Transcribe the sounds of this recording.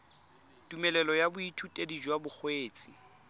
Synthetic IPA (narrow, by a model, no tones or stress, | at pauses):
tʼumɛlɛlɔjabʊitʰutʼedid͡ʒwabʊk͡xweːt͡sʼi